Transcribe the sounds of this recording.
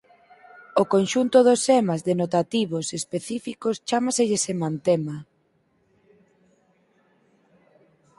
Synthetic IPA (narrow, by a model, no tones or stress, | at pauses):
okonʃunt̪ʊðosɛmazðenot̪at̪iβosespeθifikost͡ʃamaseʎesemãnt̪ema